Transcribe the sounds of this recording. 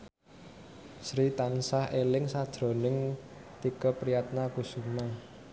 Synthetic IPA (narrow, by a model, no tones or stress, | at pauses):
sɾit̪ansahelɪŋsad̥ʒ̥ɾo̤nɪŋ | t̪ikəpɾijat̪̚nakusuma